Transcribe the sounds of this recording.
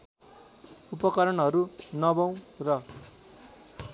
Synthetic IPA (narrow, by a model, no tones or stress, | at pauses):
upʌkʌɾʌnʌɾunʌbaw̃rʌ